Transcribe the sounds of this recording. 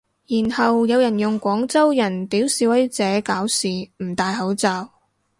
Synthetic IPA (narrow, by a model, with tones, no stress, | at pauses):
jiː˨˩nhɐ˨wjɐ˨˧wjɐ˨˩njʊ˨ŋkʷɔː˨˥ŋt͡sɐ˥wjɐ˨˩nt̪iː˨˥wsiː˨˧˥wɐ˨˥jt͡sɛː˨˥kaː˨˥wsiː˨m̩˨˩t̪aː˨jɦɐ˨˥wt͡saː˨˧w